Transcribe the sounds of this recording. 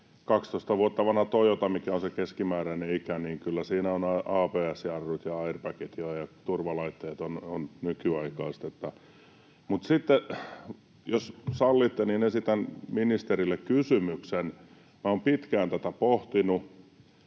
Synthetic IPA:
kɑkst̪oist̪ɑʋuot̪ːɑʋɑnhɑt̪ojot̪ɑmikæonsekeskimæːɾæineikæniːŋkylːæsiːnæonɑɑːpeːæsjɑrːut̪jɑɑirpɑket̪joɑjɑt̪urʋɑlɑit̪ːɑjɑt̪ononnykyɑikɑːst̪et̪ːɑ | mut̪sit̪ːe | jossɑlːit̪ːeninesit̪ænminist̪erilːekkysymyksen | mæoːmpit̪kæːnt̪æt̪æpoht̪inu

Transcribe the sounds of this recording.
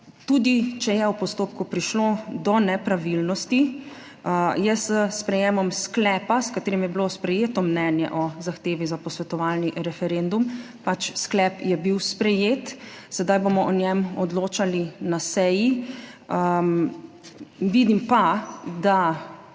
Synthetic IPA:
t̪uːd̪it͡ʃɛjɛwpɔst̪oːp̚kupɾiʃlod̪ɔnɛpɾaʋilnɔst̪i | jəsəspɾɛjeːmamsklɛːpaskat̪eːɾimjɛbilospɾɛjeːt̪ɔmnɛːnjɛ̰ʔɔzaxt̪eːʋizapɔsʋɛt̪ɔʋalniʔɾɛfɛɾend̪um | pat͡ʃsklɛːpjɛbiwspɾɛjeːt̪sɛd̪ajbomɔʔɔnjɛmɔd̪loːt͡ʃalinasɛji | ʋid̪impad̪a

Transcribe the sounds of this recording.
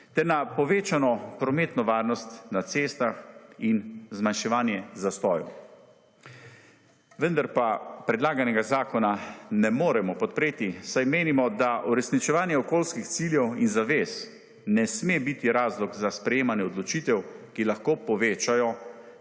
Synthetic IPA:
t̪ɛɾnapɔʋeːt͡ʃanɔpɾɔmeːt̪nɔʋaːɾnɔst̪nat̪seːst̪axinzmanʃɛʋaːnjɛzast̪ɔːjṵ | ʋənd̪aɾpapɾɛd̪laːɡanɛɡazaːkɔnanɛmoːɾɛmɔpɔt̪̚pɾeːt̪isajmeːnimɔd̪aʔuɾɛsnit͡ʃɛʋaːnjɛɔkoːlskixt̪siːljɛwinzaʋeːs | nɛsmebit̪iɾaːzlɔɡzaspɾɛjeːmanjɛɔd̪lɔt͡ʃiːt̪ɛwkilaxkoːpɔʋeːt͡ʃajɔ

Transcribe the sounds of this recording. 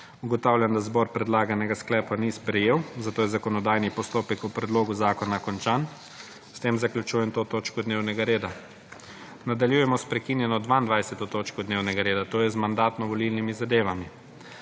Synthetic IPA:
uɡɔt̪awlʲjand̪azbɔɾpɾɛd̪laːɡanɛɡasklɛːpanispɾɛjeːwzat̪oːjɛzakɔnɔd̪aːjnipɔst̪oːpɛkupɾɛd̪loːɡuzaːkɔnakɔnt͡ʃaːn | st̪emzaklʲut͡ʃuːjɛmt̪ot̪oːt͡ʃkɔd̪neːwnɛɡaɾeːd̪a | nad̪aljuːjɛmɔspɾɛkinjɛnɔd̪ʋaind̪ʋajsɛt̪ɔt̪oːt͡ʃkɔd̪neːwnɛɡaɾeːd̪at̪oːjɛzmand̪aːt̪nɔʋɔlilnimizad̪eːʋami

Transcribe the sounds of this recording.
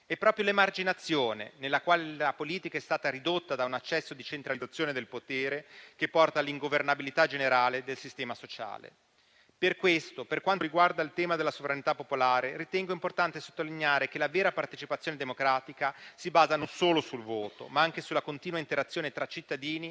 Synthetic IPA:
ɛpːɾɔːpɾjolemard͡ʒinat̪sːjoːnḛnelːakwaːlelapoliːt̪ikaɛst̪aːt̪aɾid̪ot̪ːad̪aunat͡ʃːɛsːod̪it͡ʃent̪ɾaliat̪sːjoːned̪elpot̪eːɾekepːɔrt̪aliŋɡovernabilit̪ad͡ʒeneɾaːled̪elsist̪ɛːmasot͡ʃa̰ːlḛ | perkwest̪operkwant̪ɾiɡward̪ailt̪ɛːmad̪elːasovɾanit̪apːopolaːɾeɾit̪ɛŋɡoimport̪ant̪eso̥t̪ːolinjaːɾekelavɛːɾapart̪et͡ʃipat̪sːjoːned̪emokɾaːt̪ikasibaːzanonsoːlosulvoːt̪o̰maaŋkesulːakont̪iːnwaint̪eɾat̪sːjoːnet̪ɾat͡ʃit̪ːad̪iːni

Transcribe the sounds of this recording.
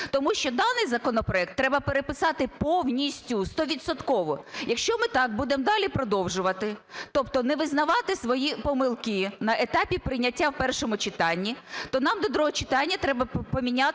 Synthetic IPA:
t̪ɔmuʃt͡ʃɔd̪ɑnɪjzɐkɔnɔpɾɔɛk̚t̪ːɾɛbɐpeɾepɪsɑt̪ɪpɔwnʲisʲtʲʊst̪ɔʋʲid̪sɔt̪kɔʋɔjɐkʃt͡ʃɔmɪt̪ɑk̚bud̪emd̪ɑlʲipɾɔd̪ɔwʒʊʋɐt̪ɪt̪ɔpt̪ɔnɛʋɪznɐʋɑt̪ɪsʋɔjipɔmɪlˠkɪnɐʔet̪ɑpʲipɾɪjnʲɐtʲːawpɛrʃɔmʊt͡ʃɪt̪ɑnʲːit̪ɔnɑmd̪ɔd̪ɾuɦɔt͡ʃɪ̥t̪ɑnʲːɐt̪ɾɛbɐpɔmʲinʲa

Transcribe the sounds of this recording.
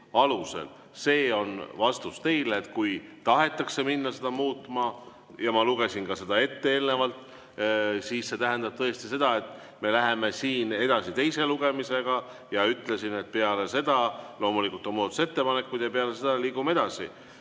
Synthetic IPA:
ɑluse̞̰l | se̞ːo̞nvɑst̪ust̪e̞jleːt̪kujt̪ɑɦe̞t̪ːˑɑkse̞minːɑse̞d̪̥ɑmuːt̪ˑmɑ | jɑmɑluɡ̥e̞sinkɑse̞d̪̥ɑe̞t̪ːee̞ːlne̞vɑlt̪ | siːsse̞t̪æɦend̪ɑb̥̚t̪ɤ̞est̪ise̞d̪̥ɑe̞t̪ːˑ | me̞læɦe̞me̞siːne̞d̪ɑsit̪e̞jse̞luɡ̥e̞mise̞ɡ̥ɑ | jɑyt̪ːˑle̞sine̞t̪̚peɑle̞se̞d̪̥ɑlo̞ːmulikːult̪o̞mot̪use̞t̪ːe̞pɑne̞kːˑud̪̥jɑpeɑlese̞d̪̥ɑliːɡumɑe̞d̪̥ɑsḭ

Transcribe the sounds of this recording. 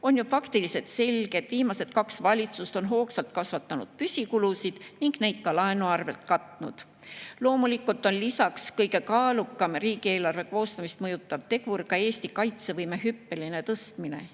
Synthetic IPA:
o̞njufɑkt̪ilise̞t̪se̞lʲɡ̥e̞d̪̥viːmɑse̞t̪kɑksvɑlʲit̪sust̪o̞nɦo̞ːksɑlt̪̚kɑsvɑt̪ːˑɑnṵd̪̥pysʲikulusid̪̥niŋɡ̥ne̞jd̪̥̚kɑlɑenuɑrve̞lt̪kɑt̪ːˑnṵd̪̥ | lo̞ːmulikːˑult̪ːˑonlisɑkskɤjɡe̞kɑːlukːˑɑmriːɡ̥ie̞ːlɑrve̞ko̞ːst̪ɑmist̪mɤjut̪ˑːɑvt̪e̞ɡurkɑe̞ːst̪ikɑjt̪se̞vɤjmeɦypːe̞line̞t̪ɤst̪mine̞̰

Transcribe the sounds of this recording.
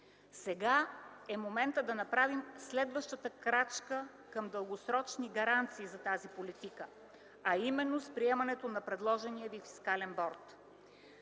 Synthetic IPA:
sɛɡaɛmomɛnt̪əd̪ɐnɐpɾavimslɛd̪vəʃt̪ət̪əkɾat͡ʃkə | kəmd̪əlˠɡosɾɔt͡ʃniɡɐɾant̪siːzɐt̪azipolit̪ikə | ɐimɛnːospɾiɛmɐnɛt̪onɐpɾɛd̪lˠɔʒɛniəvifi̥skalɛnbɔɾt̪

